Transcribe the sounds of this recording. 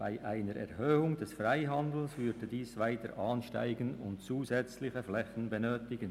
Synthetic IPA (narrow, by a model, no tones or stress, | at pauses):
b̥aɪʔaɪnəɾɛ̰ʁhøːʊŋdɛsfraɪɦandl̩svʏɾdədiːsvaɪtəɾʔaːnʃta̰ɪɡənʊntt͡suːzɛt͡slɪçəflɛçn̩bənøːtɪɡən